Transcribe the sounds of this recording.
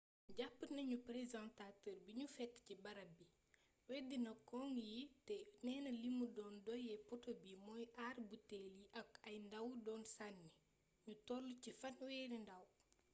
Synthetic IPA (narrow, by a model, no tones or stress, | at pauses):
ɟapːənɐɲupɾezãntatəːrbiɲufɛtːcibɐɾɐbi | wɛdinɐkɔŋjitɛnɛːnɐlimudɔːndɔjɛpɔtobimɔjʔaːrbutɛliʔɐkɐjndɐwdɔːnsanːi | ɲutɔlucifɐnwɛːɾindɐw